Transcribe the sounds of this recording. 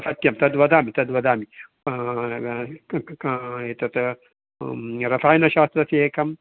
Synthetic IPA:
ɐsɐt̪jɐmt̪ɐd̪ʋɐd̪aːmit̪ɐd̪ʋɐd̪aːmi | et̪ɐt̪ | ɾɐfaːjnɐʃaːst̪ɾɐsiekɐm

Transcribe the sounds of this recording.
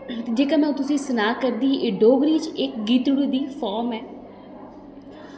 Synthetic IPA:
t̪ed͡ʒeːkaːmɛ̃t̪ʊsĩːsənaːkəɾd̪iːʔeːɖoːɡɾiːt͡ʃɪkɡiːt̪ɽuːd̪iːfʰaːɾmɛː

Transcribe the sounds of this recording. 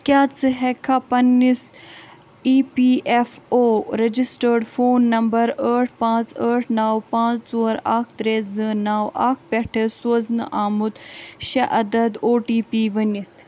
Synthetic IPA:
kʲjaːt͡sɨɦekʰapɐnːis | iːpiːʔefoːɾɐd͡ʒisʈəɾɖfoːnːɐmbɐɾəːʈ̚ʰpãːt͡səːʈʰnaːwpãːt͡st͡soːɐɾaːk̚ʰt̪ɾeːzɨnaːwʔaːk̚ʰpɛʈʰesuɐznɨ̰ʔaːmut̪ʃɐʔɐd̪ɐd̪oːʈiːpiːʋɐnit̪ʰ

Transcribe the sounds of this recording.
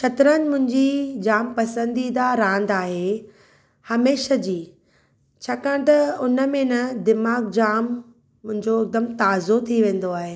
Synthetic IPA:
ʃʰɐt̪ɾənɪ̆mʊ̃ɦɪ̃ɲd͡ʑid͡ʑaːmpɐsə̃nd̪id̪aɾãːnd̪aːɦe | hɐmeːʃəd͡ʑiː | t͡ɕʰaːkãːʈ̪ɐʊnəmẽnɐd̪ɪmaːɡ̚d͡ʑaːmː | ʊ̃ɦɪ̃ɲd͡ʑoɪk̚d̪əmt̪aːzot̪ʰiʋẽːn̆d̪oaːɦeː

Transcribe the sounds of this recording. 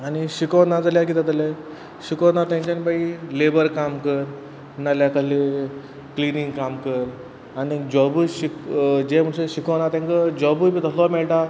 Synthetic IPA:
añiɕikəwnad͡zəljakit̪at̪əle | ɕikənat̪jãɲt͡ɕanibailebəɾkamkəɾ | naljakəle | kliniŋɡkamkəɾ | anid͡ʑɔbuɕikd͡ʑem̤əɽseɕikəwnat̪jãŋkəd͡ʑɔbujbiːt̪əslɔmɛɭʈa

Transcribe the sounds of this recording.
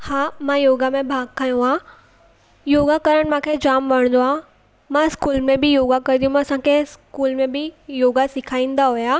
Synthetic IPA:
haːmãjoːɡamẽbʱaːɡkʰaːjũaː | joːɡakɐɾəɽ̃mãːkʰed͡ʑaːmʋɐəɽ̃n̆d̪oaː | mãɪskuːlmẽbɪjoːɡakɐɾid̪ijũmɐsãkʰeskuːlmẽbɪjoːɡasɪkʰaːĩːn̆d̪aɦʊjaː

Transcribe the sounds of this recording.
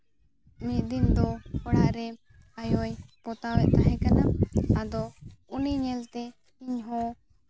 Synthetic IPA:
mid̪ind̪ɔpəɽaɾɛ | ajɔjpɔt̪awɛt̪aɦɛ̃kanaad̪ɔuniɲɛlt̪ɛ | iɲɦɔ̃

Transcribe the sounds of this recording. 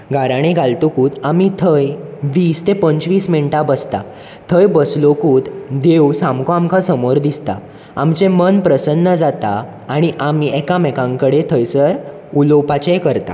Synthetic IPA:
ɡaɾaɽ̃ẽɡʱalt̪okuːt̪amit̪ʰəjʋiːst̪epəɲt͡sʋiːsmeɳʈabəst̪a̰ | t̪ʰəjbəslokuːt̪d̪ewsamkoamkʰasəmoɾd̪ist̪a̰ | a̰mt͡ɕẽmənpɾəsənːəd͡zat̪aː | ɽ̃iʔamiɛkãmɛkãŋkəɽet̪ʰəjsəɾ | ulopat͡ɕekəɾt̪a̰

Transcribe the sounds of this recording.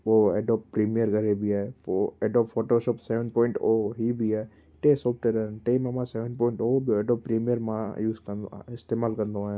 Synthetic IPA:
ʋoḛːɖɔːppɾiːmijəɾɡəɾebʱiaːeoeɖɔːpfʰoːʈoːʃɔːpseːʋə̃npɔɪ̃ɳʈoɦibʱiaːe | ʈesɔːp̚ʰʈeɾənʈeːmamãseːʋə̃nɖpɔːɪ̃ɳʈoːbʱieɖɔːpːpɾiːmijəɾmãjuːzkɐɪst̪emaːlkɐɾnd̪oã

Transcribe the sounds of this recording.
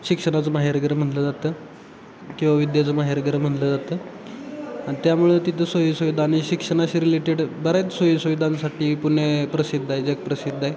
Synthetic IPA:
ɕikʂəɽ̃at͡səmaɦeɾɡɾəm̤əɳʈləd͡zat̪əː | kĩw̃ʋaʋid̪jat͡səmaɦeɾɡɾəm̤əʈləd͡zat̪əː | ãt̪jamuɭet̪it̪ʰəsʋəjisəʋid̪ʱaɽ̃iɕikʂəɽ̃aɕiːɾileʈeɽbəɾajt͡ssʋəjisəʋid̪ʱãnsaʈiːpuɳjepɾəsid̪ʱːaed͡zek̚pɾəsid̪ʱːae

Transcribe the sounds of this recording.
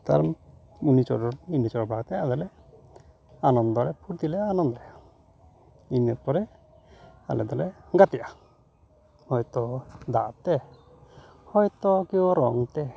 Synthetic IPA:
t̪a̰ɾ | unit͡ʃɔ̰ɾɔinit͡ʃɔɾɔbaɡt̪ɛad̪alɛ | anɔnd̪ɔɾɛpʰuɾt̪ilɛaːnɔnd̪ɔɾɛ | inɔɾpɔɾɛ | a̰lɛd̪alɛɡat̪iʔa | hɔjt̪ɔd̪at̪ɛ | hɔjt̪ɔkiɔɾɔŋt̪ɛ

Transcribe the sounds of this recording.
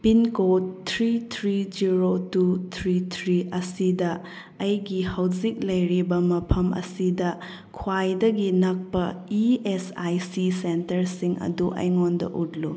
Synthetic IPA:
pinkotʰɾitʰɾid͡ʒiɾotutʰɾitʰɾiʔɐsidɐː | jɡihɐwzik̚lɐjɾibɐmɐpʰɐmʔɐ̰sidɐ | kʰwajdɐɡinɐk̚pɐiesajsisentɐɾsiŋɐ̰duʔɐ̰jŋondɐ̰ʔutlu

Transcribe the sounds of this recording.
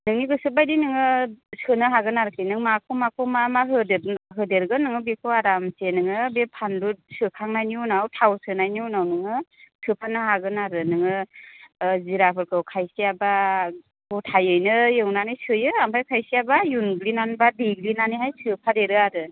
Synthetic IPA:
nɯŋniɡɯsɯbajdinɯŋɯsɯnɯɦaɡɯnaɾɯkʰɯjnɯŋmakʰomakʰomamaɦɯdeaɦɯdeɾɡɯnɯŋɯbekʰoaɾamsenɯŋɯbepʰandut̚sɯkʰaŋnajniunawtʰawsɯnajniunawnɯŋɯsɯpʰanaɦaɡɯnaɾɯnɯŋɯ | ziɾapʰɯɾkʰɯwkʰajsiaba | hutʰajɯjnɯjɯŋnanɯjsɯjɯampʰajkʰajsiabajunɡlinanbadiɡlinaniɦajsʰɯpʰaɾeɾɯaɾɯ

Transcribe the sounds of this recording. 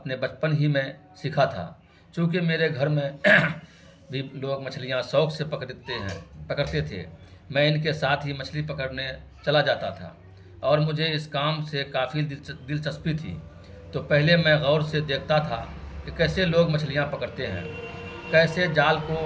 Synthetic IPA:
ɐpnebət͡ʃpənɦimẽ | sɪkʰat̪ʰa̰ː | t͡ʃõːkemeːɾeɡʱɐɾmẽ | bʱiloːɡmɐt͡ʃʰlijãsɔːksepəkt̪pəkəɾt̪et̪ʰḛmɛ̃ɪnk̬esaːt̪ʰɦimɐt͡ʃʰlipəkəɾne | t͡ʃɐlad͡ʒaːt̪at̪ʰa̰ː | ɔːɾmʊd͡ʒʱeɪskaːmsekaːfʰid̪ɪlt͡ʃəspit̪ʰḭ | t̪opɛɦlemɛ̃ɣɔːɾsed̪eːk̚ʰt̪at̪ʰa̰kekɛːseloːɡmɐt͡ʃʰlijãpəkəɾt̪eɦɛ̰̃ːkɛːsed͡ʒaːlko

